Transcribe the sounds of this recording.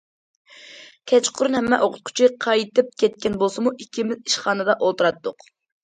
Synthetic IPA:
kʲʰɛt͡ʃqʰʊɾunhɛmːɛʔoqʰʊt̪̚qʰʊ̥t͡ʃʰiqʰɑjt̪ɨp̚kʲʰɛt̪̚kʲɛnbolˠsɨmuʔikʲʰːimɪziʃχɑːnɨd̪ɑʔolˠt̪ɨɾɑt̪ːʊq

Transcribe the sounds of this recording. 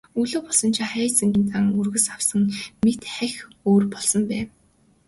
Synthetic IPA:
uɮoːpɔɮsɞ̆nt͡ɕʰaχæːsĕŋɡĭnt̪aŋurɣɘ̆sawsə̆ŋmet̪χæxoːrpɔɮsɞ̆mpæː

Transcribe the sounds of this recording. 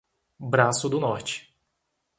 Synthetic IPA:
bɾasʊd̪ʊnɔɾt͡ʃɪ̥

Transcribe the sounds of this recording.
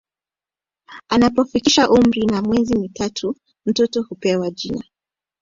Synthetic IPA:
anapɔfikiʃaʔum̩ɾinamwɛzimitatʰu | m̩tɔtɔhupɛwad͡ʒina

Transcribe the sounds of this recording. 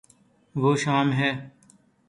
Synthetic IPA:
ʋoːʃaːmɦɛː

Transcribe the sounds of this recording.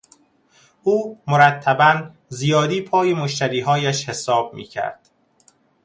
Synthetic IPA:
ʔuːmoɾæt̪ʰːæbæn | zijɒːd̪iːpʰɒːjemoʃt̪æɾiːɦɒːjæʃhe̞sɒːb̥̚mḭːcʰæ̰ɾd̪̥

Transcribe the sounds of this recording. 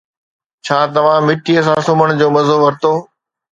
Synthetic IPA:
t͡ɕʰaːt̪ɐʋ̤ãmɪʈiəsãːsʊməɽ̃d͡ʑoːmɐzoʋɐɾt̪oː

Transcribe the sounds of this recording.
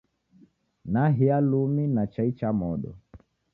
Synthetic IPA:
naɦialuminat͡ʃait͡ʃamɔɗɔ̰

